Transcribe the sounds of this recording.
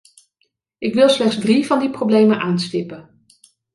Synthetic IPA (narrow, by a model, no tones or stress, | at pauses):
ʔɪkʋɪlˠslɛχzsdrivɑndiprowblejmənʔaːnstɪpən